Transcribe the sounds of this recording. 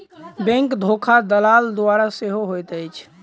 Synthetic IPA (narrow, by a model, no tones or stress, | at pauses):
bɛ̃ŋkd̪ʱokʰad̪əlaːld̪oaɾaseɦoɦojt̪əjt͡ʃʰ